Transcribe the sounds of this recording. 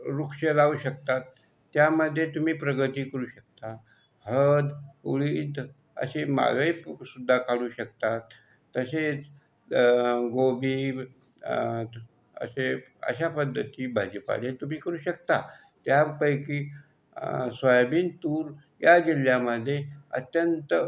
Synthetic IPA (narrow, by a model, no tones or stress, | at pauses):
ɾukɕəlauːɕək̚t̪at̪ː | jaməd̪ʱːjet̪um̤iːpɾəɡət̪iːkəɾuːɕək̚t̪a | həd̪uɭiːd̪ | ə̰ɕema̰ɡəisud̪ʱːakaɽuːɕək̚t̪at̪ː | əset͡s | ɡobiː | ə̰seə̰ɕapəd̪ʱːət̪iːbʱad͡ʑəpa̰let̪um̤iːkəɾuːɕək̚t̪a | t̪japəjkiː | sʋajbiːnt̪uːɾ | jad͡ʑil̤jaməd̪ʱjeə̰t̪jənt̪ə